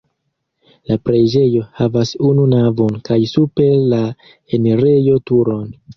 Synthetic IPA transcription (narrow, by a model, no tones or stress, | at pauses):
lapɾe̞d͡ʒe̞johavasununavo̞nkajsupe̞la | eneɾe̞jo̞tuɾo̞n